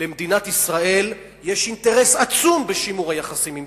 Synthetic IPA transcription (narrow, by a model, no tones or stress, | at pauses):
lemd̪inat̪isʁae̞l | je̞ʃint̪e̞ʁe̞sat͡sumbeʃimuʁajaχasimim